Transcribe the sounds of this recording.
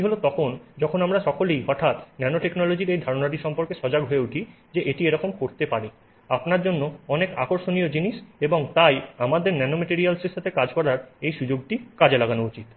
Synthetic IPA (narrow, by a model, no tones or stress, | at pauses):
iɦolot̪ɔkʰond͡ʑɔkʰonamɾaʃɔkʰolejɔt̪ʰat̪nɛnoʈeknɔlod͡ʑiɾejd̪ʱaɾonaʈ̬iʃɔmpoɾkeʃɔd͡ʑaɡɦoeuʈʰi | d͡ʑeʔeʈieɾɔkomkoɾt̪epaɾi | apnaɾd͡ʑonːoɔnekakoɾʃonijod͡ʑiniʃeboŋt̪ajamad̪eɾnɛnomeʈiɾialseʃat̪ʰekad͡ʑkɔɾaɾejʃud͡ʑoɡ̚ʈikad͡ʑelaɡanout͡ɕit̪